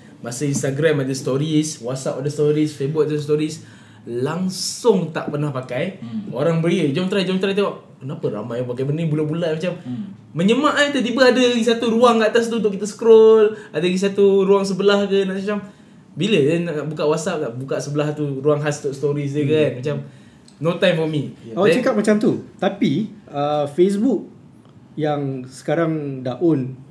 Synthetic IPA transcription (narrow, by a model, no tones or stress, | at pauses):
masəinst̪aɡɾamadəst̪oɾiswasapadəst̪oɾisfebuk̚at̪ast̪oɾis | laŋsʊŋt̪a̰ʔpərnahpakajoɾaŋbəliəd͡ʒɔnt̪ɾajd͡ʒɔnt̪ɾajt̪awaʔ | kənapəɾa̰majaŋpakajbənəbulabulaʔmat͡ʃamː | əɲəmaʔant̪ət̪ibəadəɡisat̪uɾuaŋat̪as̬t̪uunt̪ʊʔkːit̪əsə̥kɾɔladaɡis̬at̪uɾuaŋs̬əbəlahkənaʔat͡ʃam | bilədɛnːaʔnaʔbukaʔwasap̚kaʔbukaʔsəbəlaht̪uɾuaŋɦast̪ʊʔsət̪ɔɾis̬t̪ukaanmat͡ʃam | not̪ajmfɔmiaaʔɛt͡ʃakat̚mat͡ʃamt̪ut̪apiəfes̬buk̚ | jaŋsə̥kaɾaŋdaʔol